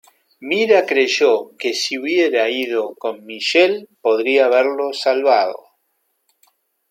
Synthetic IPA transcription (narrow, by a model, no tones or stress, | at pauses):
miɾakɾeʒokesiuβje̞ɾaiðoko̞nmiʃelpo̞ðɾiaːβeɾlo̞salβaðo̰